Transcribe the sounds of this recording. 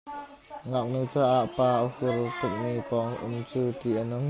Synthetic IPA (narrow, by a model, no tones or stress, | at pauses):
ŋak̚nut͡saːʔaʔpaːʔəhʊlt̪ʊk̚mipɔŋʔʊmt͡suːt̪iʔənʊŋ